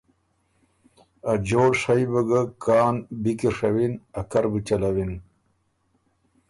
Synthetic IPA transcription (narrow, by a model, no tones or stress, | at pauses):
ad͡ʑoːɽʂajbəɡəkɑːnbikiʂawinakaɾbit͡ɕalawin